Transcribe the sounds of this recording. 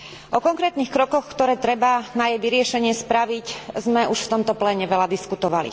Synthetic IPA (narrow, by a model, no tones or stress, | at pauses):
ʔɔkɔŋkɾɛːt̪nixkɾɔkɔxkt̪ɔɾɛːt̪ɾɛbanajɛjʋiɾɪɛʃɛɲɪɛspɾaʋiczmɛʔuʃft̪ɔmt̪ɔplɛːɲɛʋɛlad̪iskut̪ɔʋalḭ